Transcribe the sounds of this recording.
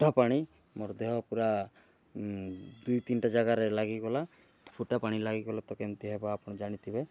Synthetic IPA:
ʈapaɽ̃i | mɔɾd̪eɦɔpuɾa | d̪ujt̪inʈad͡ʒaɡaɾelaɡiɡɔla | pʰuʈapaɽ̃ilaɡiɡɔlat̪ɔkemt̪iɦebaːpɔɽ̃ɔd͡ʒaɽ̃it̪ʰibe

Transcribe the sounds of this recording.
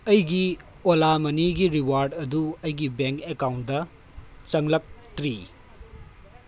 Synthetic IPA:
ɐjɡi | olamɐniɡiɾiwaɾdɐduɐjɡibeŋkekawntdɐ | t͡ʃɐŋlɐk̚tɾi

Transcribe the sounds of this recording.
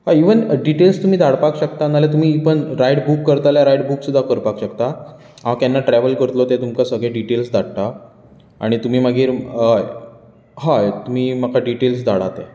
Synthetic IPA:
ɦaiʋənɖiʈelst̪um̤iːd̪ʱaɽpakɕəkt̪analjat̪um̤iːpəɳɾajɽbukːəɾt̪aljaɾajɽbuːksud̪ʱːakəɾpakɕəkt̪a | aakjanːaʈɾɛʋəlkəɾt̪lot̪et̪umkasəɡɭẽɖiʈelsd̪aɽt̪a | aɽ̃it̪um̤iːməɡʱiːɾə | ɦat̪um̤iːməkʰaɖiʈelsd̪ʱaɽ̤at̪e

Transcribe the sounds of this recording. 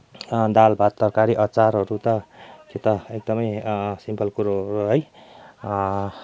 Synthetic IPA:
d̪albʱat̪ːʌrkaɾiʔʌt͡saɾɦʌɾut̪ʌk̪et̪ʌek̚d̪ʌmʌjsimpʰʌlkuɾoɾuɦʌj

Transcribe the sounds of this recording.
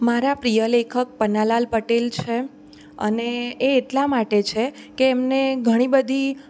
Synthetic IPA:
maɾapɾijəlekʰək̚pənalalpəʈelt͡ʃʰe | ə̰neːʈlamaʈet͡ʃʰe | keːmneɡʱəɽ̃ibəd̪ʱi

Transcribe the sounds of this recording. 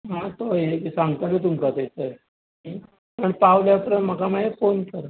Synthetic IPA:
ɦãt̪oekisãŋɡt̪əmit̪̬umt͡sat̪et͡səj | pəɳpaʋljapɾəm̤əkamaɦefonkəɾ

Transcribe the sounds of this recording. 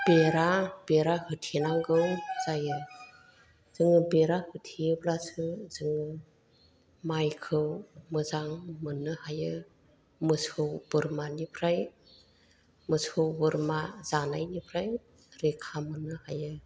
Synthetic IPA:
b̥eɾabeɾahɯtʰenaŋɡɯwz̥ajɯ | z̥ɯŋɯbeɾahɯtʰiblasɯzɯŋɯ | majkʰɯwmɯzaŋmɯnːɯhajɯ | mɯsɯwb̥ɯɾmanipʰɾaj | mɯsʰɯwbɯɾmazanajnipʰɾaj | ɾekʰamɯnːɯhajɯ

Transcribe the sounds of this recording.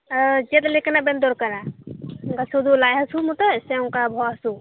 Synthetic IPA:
d͡ʒet̪leknabend̪oɾkəɾa | kasud̪ulajɦəsumut̪ɔsɛũŋkabʱɔɦɐsu

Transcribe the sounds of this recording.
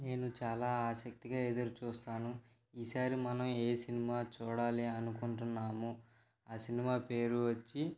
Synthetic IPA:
ne̞ːnut͡ʃaːlaːaːsɐk̚t̪iɡaːed̪ɐɾut͡ʃuːst̪aːnu | iːsaːɾimɐnɐme̞ːsinimaːt͡ʃuːɽaːliɐnukuɳʈunːaːmu | aːsinimaːpe̞ːɾuʋɐt͡ʃːi

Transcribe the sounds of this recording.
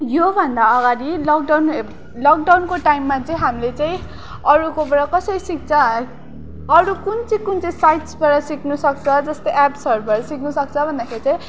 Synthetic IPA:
jobʱʌnd̪aʌɡaɾilʌk̚ɖawn | lʌk̚ɖawnkoʈajmːat͡saĩɦamilet͡saĩ | ʌɾukobʌɽʌkʌsʌɾisik̚t͡sʰʌ | ɾukunt͡siĩkunt͡saĩsajʈsbaɽʌsiknusʌk̚t͡sʰʌd͡zʌst̪ojʔapsʌɾubʌɽʌsik̚nusʌk̚t͡sʰʌbʱʌnd̪akʰeɾit͡saĩ

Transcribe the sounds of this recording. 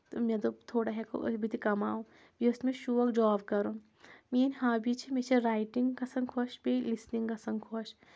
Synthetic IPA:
t̪omet̪ot̪ʰoːɽaɦɛko̰ʔɐ̰bʱit̪ʰikɐmaːũ | biʊsmẽʃuːʋɐkd͡ʒɔːbkɐɾo | meːnʲhaːbʱit͡ʃʰimet͡ʃʰeɾaːjʈiŋɡkɐsɐ̃ŋɡkʰoʃbelisniŋkɐsɐ̃ŋɡkʰoʃ

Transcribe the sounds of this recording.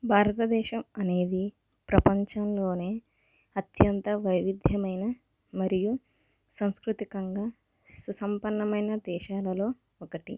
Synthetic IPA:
bʱaːɾɐt̪ɐd̪ɛːʃɐmɐne̞ːd̪i | pɾɐpɐɲt͡ʃɐnlo̞ːne̞ː | ɐt̪jɐnt̪ɐʋɐjʋid̪ʱjɐmɐjnɐ | mɐɾiju | sɐ̃mskɾut̪ikɐŋɡaː | susɐmpɐɳːɐmɐjnɐd̪ɛːʃaːlɐlo̞ː | ɔkɐʈḭ

